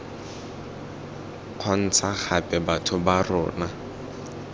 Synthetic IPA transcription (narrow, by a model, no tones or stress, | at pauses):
q͡χʰɔn̩t͡sʰaχʰapʼɛbatʰʊbarɔ̰ːna